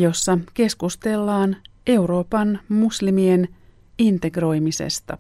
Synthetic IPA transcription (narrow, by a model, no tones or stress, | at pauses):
jo̞sːɑke̞skust̪e̞lːɑːne̞uɾo̞ːpɑnmuslimien | int̪e̞ɡro̞jmisḛst̪ɑ̰